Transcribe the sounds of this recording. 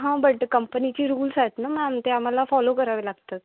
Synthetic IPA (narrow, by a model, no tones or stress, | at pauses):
ɦãbəʈkəmpənit͡ɕiːɾuːlsat̪namãmt̪eam̤alafɔlokəɾaʋelaɡt̪at̪